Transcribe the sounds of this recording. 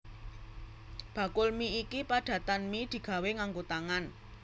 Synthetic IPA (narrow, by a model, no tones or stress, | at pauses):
b̥a̤kʊlmiikipaɖ̥a̤t̪anmid̪̥i̤ɡ̥ä̤weŋaŋɡot̪aŋan